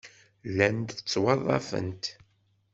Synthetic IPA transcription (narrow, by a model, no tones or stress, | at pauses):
lænd̪ət͡sːwɑðˤːɑ̰fə̰nt̪